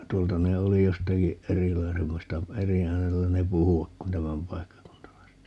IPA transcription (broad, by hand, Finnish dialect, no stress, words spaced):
tuoltɑ ne oli jostɑki erilɑisemːɑstɑ eri æːnelːæ ne puhuʋɑk kun tæmæmpɑikːɑkuntɑlɑiset